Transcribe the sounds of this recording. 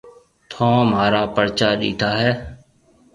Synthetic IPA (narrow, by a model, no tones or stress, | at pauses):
t̪ʰõːmaːɾaːpəɾt͡ʃaːɗḭːt̪ʰaːɦɛː